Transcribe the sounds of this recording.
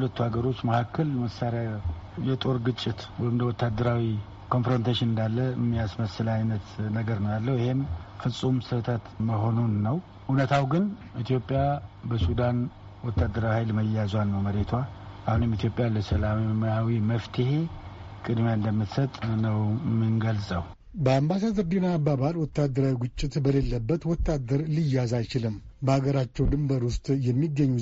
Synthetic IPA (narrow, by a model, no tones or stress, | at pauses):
hulət̪ːuhaɡəɾo̞t͡ʃːməhakːəlməsaɾja | jɛt̪ʼo̞ɾɡɨt͡ʃʼːɪt̪wɔjɪmd̪əwɔt̪ʰːad̪ːəɾawi | kʰo̞nfɾo̞nt̪ʰaʃɪnɨnd̪alːəɨmːijasməsɨlajnət̪nəɡəɾnəjalːəwɪhe̞mfɨsʼumsɨt̪ʰət̪məɦo̞nunːəw | ʔunət̪ʰawɡɨnʔit̪ʰjo̞pʼːjabəsud̪an | wɔt̪ːad̪ːəɾawihajlməjazanːəwməɾet̪ʰwaʔahunɨmit̪ʰjo̞pʼjaləsəlamjawiməft̪ʰəhe̞ | kʼɨd̪mjaɨnd̪əmːɨt̪sət̪ʼnəwmɨnɡəlsʼəw | bəambasad̪əɾd̪enaːbaβalwɔt̪ːad̪ːəɾawiɡɨt͡ʃʼːɪt̪bəlelːəbːət̪wɔt̪ʰːad̪əɾlɨjːazajt͡ʃɪlɨmːbəhaɡəɾat͡ʃːɛwd̪ɨmbəɾwʊst̪ʼjɛmːiɡːəɲːu